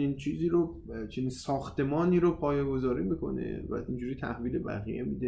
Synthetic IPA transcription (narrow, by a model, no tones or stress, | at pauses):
niːnt͡ʃʰiːziːɾo | t͡ʃʰeniːnsɒːxt̪ʰe̞mɒːniːɾopʰɒːjeɡo̞zɒːɾiːmikʰo̞̰nḛvæ̰ind͡ʒuːɾiːt̪ʰæ̰hviːlebæ̰ɣḭjemiːd̪e